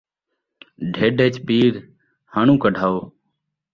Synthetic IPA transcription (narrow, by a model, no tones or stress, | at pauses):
ɖʱeːɖeːt͡ʃpiːɾ | həɳũːkəɖʱaːoː